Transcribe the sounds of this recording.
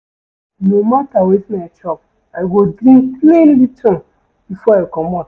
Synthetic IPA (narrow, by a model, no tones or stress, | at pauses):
nomatawetinat͡ʃɔp̚ | ajɡodɾĩŋklẽnlitɔ̃ | b̥ifɔajkɔ̃mã